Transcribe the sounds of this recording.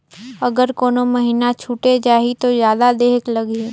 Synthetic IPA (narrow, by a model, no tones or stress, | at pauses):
ɐɡəɾkoːnomɐɦiːnat͡ʃʰuːʈed͡ʒaːɦit̪ozjaːd̪ad̪eːklɐɡe